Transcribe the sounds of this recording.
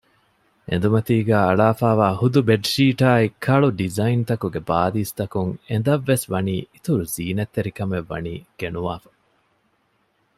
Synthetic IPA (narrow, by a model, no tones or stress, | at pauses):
ʔḛnd̪umɐt̪iːɡæːɐɭaːfaːʋaːhud̪ubeɖʃiːʈaːikʰːɐɭuɖizɐint̪ɐkuɡebaːd̪iːst̪ɐkuŋend̪ɐʋːesʋɐniːit̪uɾuziːnet̪ːeɾikɐmeʋːɐ̰nḭːɡ̥enuʋaːfɐ̥